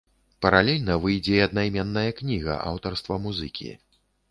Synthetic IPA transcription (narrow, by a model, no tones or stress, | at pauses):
pɐɾalʲɛlʲnɐvɨjd͡zʲɛɐd̪najmʲɛnːɐjɐknʲiɣɐ̰ʔa̰wt̪ɐrst̪vɐmuzɨkʲḭ